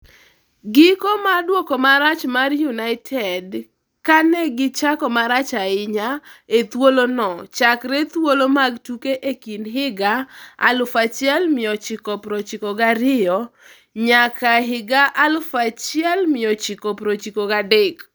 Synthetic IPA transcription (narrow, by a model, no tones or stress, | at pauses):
ɡɪkomadwɔkɔmaɾat͡ʃmarjunaɪtʰɛd | kanɛɡɪt͡ʃakɔmaɾat͡ʃaɪɲaet̪wolonɔt͡ʃakɾɛt̪wolomaɡtukeʔekinɦɪɡaa̰lʊfat͡ʃjɛlmɪɔt͡ʃɪkɔpɾot͡ʃɪkɔɡaɾɪjɔ | ɲakaɦɪɡaʔalʊfat͡ʃjɛlmɪjɔt͡ʃɪkɔpɾot͡ʃikoɡadek